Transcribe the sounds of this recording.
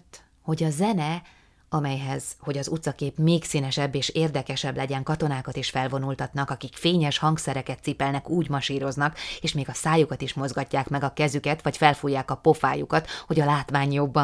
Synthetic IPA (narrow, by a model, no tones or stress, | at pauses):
t̪ | ho̞ɟɒzɛnɛ | ɒmɛjɦɛz̥ho̞ɟɒzut̪sɒkeːpmeːksiːnɛʃɛbːeːʃeːrd̪ɛkɛʃɛblɛɟɛŋkɒt̪o̞naːkɒt̪iʃfɛlvo̞nult̪ɒt̪nɒkɒkikfeːɲɛʃhɒŋksɛɾɛkɛt̪sipɛlnɛkuːɟmɒʃiːɾo̞znɒkeːʃmeːɡɒsaːjukɒt̪iʃmo̞zɡɒcːaːkmɛɡɒkɛzykɛt̪ʋɒcfɛlfujːaːkɒpo̞fa̰ːjukɒt̪ho̞ɟɒlaːt̪ʋaːɲjobːɒ